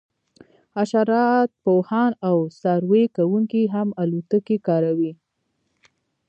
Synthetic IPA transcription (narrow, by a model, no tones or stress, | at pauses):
aʃaɾɑt̪̚pohɑnawsɑɾwekawuŋkiɦamalut̪əkekɑɾawi